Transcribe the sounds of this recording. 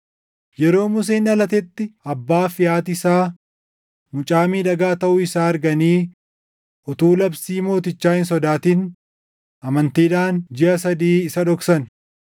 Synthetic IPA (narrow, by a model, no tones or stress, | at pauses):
jɛɾo̞ːmʊs̬eːnɐlɐt̪ɛt̪ːɪɐbːaːfɪjaːt̪ɪsaː | mʊt͡ʃʼaːmiːᶑɐɡaːt̪ɐʔʊɪsaːɐɾɡɐniː | ʔɔt̪uːlɐbsiːmo̞ːt̪ɪt͡ʃːaːhɪns̬ɔd̪aːt̪iːn | ʔɐmɐnt̪iːᶑaːnd͡ʒɪʔɐsɐd̪iːɪsɐᶑɔksɐn